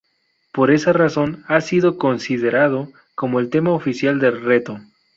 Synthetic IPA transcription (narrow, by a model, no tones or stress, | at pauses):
po̞ɾe̞saraso̞nasiðo̞ko̞nsiðe̞ɾaðo | ko̞mo̞elt̪e̞maofisjald̪e̞lre̞t̪o̞